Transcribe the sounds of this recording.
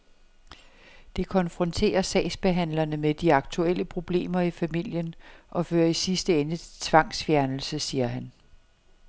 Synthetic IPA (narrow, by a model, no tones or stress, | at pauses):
d̥e̝kʰɒ̽nfʁɔ̽nt͡sʰe̝̰ːɐsɛ̰ːsb̥e̝ɦæn̰lɐnəmed̥iɑ̈ɡ̥̚t͡sʰuel̰əpʰʁo̝b̥le̝̰ːmɐifæmil̰jənʔɒ̽føːɐisisd̥əenət͡sʰe̝̥t͡sʰʋɑ̈ŋ̰sfjæɐnl̩səsiːɐɦæn